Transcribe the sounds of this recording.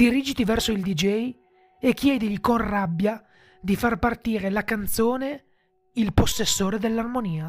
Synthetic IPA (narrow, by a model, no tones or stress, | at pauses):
d̪̥iɾiːd͡ʒit̪ivɛrsoild̪id͡ʒɛj | ekːjɛːd̪iʎikonrabːja | d̪ifarpart̪iːɾelakant̪soːne | ilposːesːoːɾed̪elːarmoniːa